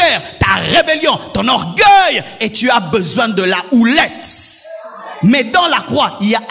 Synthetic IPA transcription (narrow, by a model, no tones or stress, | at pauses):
ɛːʁt̪aʁebeljɔ̃t̪ɔ̃nɔʁɡœjet̪yabəzwɛ̃d̪əlaulɛt̪ | mɛd̪ɑ̃lakχwailja